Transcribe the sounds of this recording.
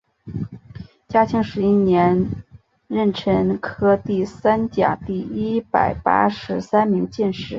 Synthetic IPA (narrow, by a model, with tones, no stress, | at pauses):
t͡ɕja˥t͡ɕʰi˧˥ŋʂɻ̩˧˥i˥njɛ˧˥n | ɻə˥˩nʈ͡ʂʰə˧˥ŋkʰɤ˥t̪i˥˩sa˥nt͡ɕja̰˨˩t̪i˥˩i˥pa̰˨˩ɪpa̰˥ʂɻ̩˧˥sa˥nmi˧˥ŋt͡ɕɛ˥˧nʂɻ̩˥˩